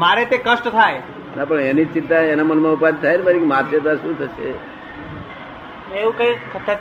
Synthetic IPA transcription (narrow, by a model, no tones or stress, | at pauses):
maɾet̪ekəsʈt̪ʰae | napəɳenit͡ʃint̪aenamənmãupad̪̚t̪ʰːaenibəɾikimaɾsət̪aʃũt̪ʰəʃḛ | neʋũkəikʰət̪ʰːa